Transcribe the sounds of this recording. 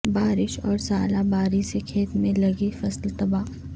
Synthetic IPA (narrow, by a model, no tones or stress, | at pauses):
baːɾɪʃɔːɾsaːlabaːɾisekʰeːt̪mẽlɐɡifɐslt̪ɐbaː